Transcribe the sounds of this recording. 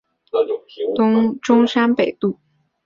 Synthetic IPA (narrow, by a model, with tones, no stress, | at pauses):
t̪ʈ͡ʂʊ˥ŋʂa˥npe˨˩ɪt̪u˥˩